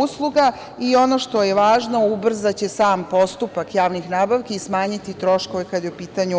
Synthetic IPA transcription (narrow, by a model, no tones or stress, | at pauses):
uslˠuɡa | io̞no̞ʃt̪o̞jeʋaːʒno̞ubr̩zat͡ɕe̞saːmpo̞st̪upakjaːʋnixnaːbaʋkeismaːɲit̪it̪ɾo̞ʃko̞ʋekad̪jeupiːt̪aɲu